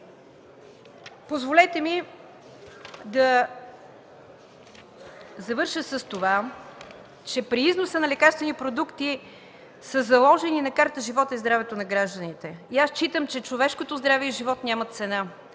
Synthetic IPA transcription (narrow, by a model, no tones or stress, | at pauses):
pozvolɛt̪ɛmi | d̪ɐ | zɐvɤɾʃəsəst̪ova | t͡ʃɛpɾiiznosənɐlɛkaɾst̪vɛnipɾod̪ukt̪i | səzɐlˠɔʒɛninɐkaɾt̪əʒivɔt̪əizd̪ɾavɛt̪onɐɡɾaʒd̪ənit̪ɛiast͡ʃit̪əmt͡ʃɛt͡ʃovɛʃkot̪ozd̪ɾavɛiʒivɔt̪nʲamət̪sɛna